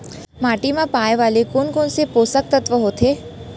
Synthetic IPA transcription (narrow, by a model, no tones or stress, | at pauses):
maːʈimãpaːjʋaːlekoːnkoːnsepoːsək̚t̪ət̪ʋəɦoːt̪ʰeː